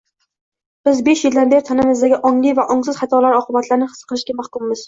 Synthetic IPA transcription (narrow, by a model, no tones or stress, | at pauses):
b̥ɪzbe̞ʃjɪld̪anbeɾɪt̪ʰanɪmɪzd̪aɡʲɪʔɒŋlijvaʔɒŋsɪzχat̪ʰɒlaɾɒqʰɨbat̪ʰlaɾnɪhɨ̥sːqʰɨlˠɪʃkʲamahkʊmːɪz